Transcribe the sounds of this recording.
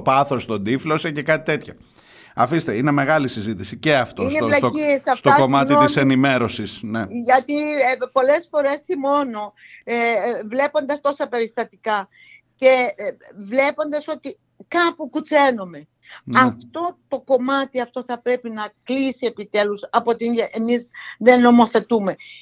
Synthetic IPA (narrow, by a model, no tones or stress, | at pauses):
pɐθo̞st̪ond̪iflo̞sece̞kɐt̪it̪e̞t̪çɐ | ɐfist̪eineme̞ɣɐlisizit̪isiceɐft̪oisneolɐoiesɐfst̪oɐkomɐt̪iiisenime̞ɾo̞sisneʝɐt̪ipo̞le̞sfo̞ɾe̞simo̞no̞ | vle̞po̞nd̪ɐst̪o̞sɐpe̞ɾist̪ɐt̪ikɐ | ce̞vle̞po̞nd̪ɐso̞t̪i | kɐpukut͡se̞nome̞ | ɐft̪o̞t̪o̞ko̞mɐt̪iɐft̪o̞θɐpɾe̞pinɐklisie̞pit̪e̞lusɐpoot̪iʔemizðe̞nːo̞mo̞θe̞t̪ume̞